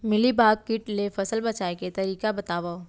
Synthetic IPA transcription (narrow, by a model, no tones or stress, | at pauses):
mɪlibʱaːɡ̚kɪʈlefɐsəlbɐt͡ʃaːeket̪ɐɾiːkabɐt̪aːʋa